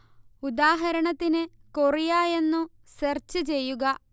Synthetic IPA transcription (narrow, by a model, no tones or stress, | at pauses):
ud̪aːɦɐɾɐɳɐt̪ːinɨkorijaːje̞nːu | sɐrt͡ɕːɨt͡ɕe̞jːuɡɐ